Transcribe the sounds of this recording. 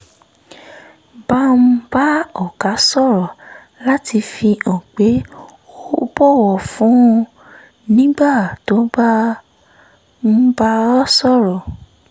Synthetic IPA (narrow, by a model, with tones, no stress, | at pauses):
ba˦m̩̃˦ba˦ɔ˦˨ka˨˦sɔ˦˨ɾɔ˨ | la˦ti˧fi˧ɔ̃˨k͡pe˨˦ | o˦bɔ˦˨wɔ˨fũ˨˦˧ | nĩ˦ɡ͡ba˦˨to˨˦ba˦ | m̩˦ba˦ɔ˦sɔ˦˨ɾɔ˨